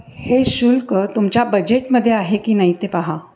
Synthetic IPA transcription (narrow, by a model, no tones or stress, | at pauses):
heʃʊlkt̪ʊmt͡ʃabɐd͡ʒeʈmɐd̪ʱjeaːɦekinɐĩt̪epaɦa